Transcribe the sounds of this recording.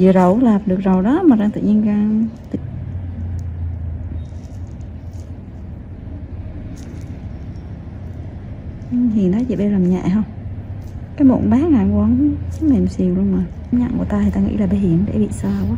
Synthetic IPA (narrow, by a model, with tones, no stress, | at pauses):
zɨ̰˧˨əzə˨˩wlaː˨˩p̚ɗɨ˨˩ək̚zo˨˩wɗɔ˨˦maː˨˩zaː˧ŋt̪ɨ̰˧˨ɲi˧ənɣa˧ŋt̪ɨ̰˧˨˩ | hi˨˩ənɗɔ˨˦zḭ˨˧˨ɓe˧laː˨˩mɲɛ̰˧˨ɦə˧wŋ͡m | kaː˨˦jmo̰˧˨˩nɓaː˨˦ŋaː˧˨˩ŋkwə˧n˦sə˨˦˥me˨˩msi˨˩əwlu˧ənmaː˨˩˦mɲa̰˧˨ŋku˧˩t̪aː˧i˨˩t̪aː˧ŋḭ˧˥laː˨˩ɓe˧hi˧˩əmɗḛ˧˩˦ɓḭ˧˨saː˧˩waː˨˦